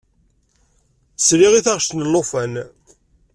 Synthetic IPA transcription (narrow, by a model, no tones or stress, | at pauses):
sɾiʁiθaʁʃt̪nəlːofæn